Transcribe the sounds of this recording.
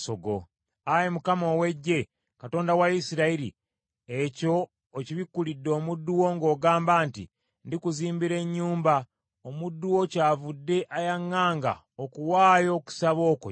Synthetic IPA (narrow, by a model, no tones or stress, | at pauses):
soɡo̰ | ajemukamo̞we̞ɟːe̞ | kato̞ːndawaisiɾaiɾḭ | eco̞ | ociβikːulidːo̞ːmudːuwo̞ŋɡo̞ːɡaːmbaːntḭ | ndikuziːmbiɾe̞ɲːuːmba | omudːuwo̞caːvudːe̞ʔajaŋːaːŋɡa̰ | okuwaːjo̞ku̥saβo̞ːko̰